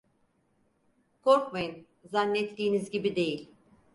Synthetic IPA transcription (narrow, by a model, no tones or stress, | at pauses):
kʰoɾkmajɯn | zanːɛt̪lʲiːnizɟibid̪e̞jilʲ